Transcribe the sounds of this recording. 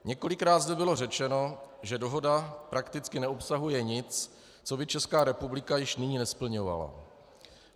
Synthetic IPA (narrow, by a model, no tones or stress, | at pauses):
ɲɛko̞lɪkɾaːt̪zdɛbɪlo̞r̝ɛt͡ʃɛno̞ʒɛdo̞ɦo̞dapɾakt̪ɪt͡skɪnɛopsaɦujɛɲɪt͡s | t͡so̞bɪt͡ʃɛskaːɾɛpublɪkajɪʃnɪɲiːnɛspl̩ɲo̞va̰la̰